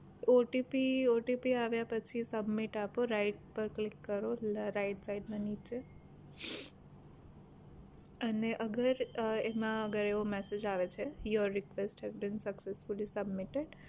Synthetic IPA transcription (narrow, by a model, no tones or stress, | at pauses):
oʈipioʈipiaʋjapət͡ʃʰisəbmɪʈapoɾaɪʈ̚pəɾklɪkːəɾoɾaɪʈsaɪɖnãnit͡ʃe | əneʔəɡəɾemãəɡəɾeʋomɛsed͡ʒaʋet͡ʃʰejəɾːɪkʋesʈɦɛzbĩnsəksesfulisəbmɪʈeɖ